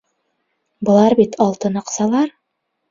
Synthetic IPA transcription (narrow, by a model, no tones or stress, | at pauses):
bɤ̆lˠɑɾbit̪ʰɑlˠt̪ɤnɑqsɑlˠɑɾ